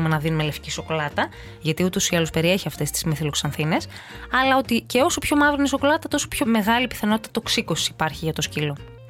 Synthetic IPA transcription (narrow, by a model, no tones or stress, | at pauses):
umenɐðinumele̞fciso̞ko̞lɐt̪ɐ | ʝɐt̪iut̪o̞siɐlospe̞ɾie̞çiɐft̪e̞st̪i̥zmeθiloksɐnθine̞sɐlɐo̞t̪ice̞o̞so̞pço̞mɐvɾiniso̞ko̞lɐt̪ɐt̪o̞so̞pço̞me̞ɣɐlipi̥θɐnot̪it̪ɐ̥t̪oksiko̞siːpɐɾçiʝɐt̪o̞scilo̞